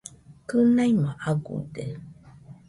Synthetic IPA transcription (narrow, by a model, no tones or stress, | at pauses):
kənajmaʔaɡṵde